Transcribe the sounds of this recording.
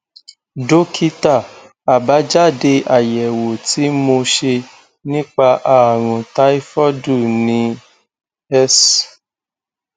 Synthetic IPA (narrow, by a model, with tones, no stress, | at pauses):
do˦kʰi˧ta˦˨ | a˨ba˨˦d͡ʒa˦˨de˧ʔa˨jɛ˨wo˨ti˨˦mo˧ʃe˧ | nĩ˦k͡pa˧ʔa˦˨ɾ̃ũ˨ta˦i˦fɔ˦du˦˨nĩ˦ | ɛ˦s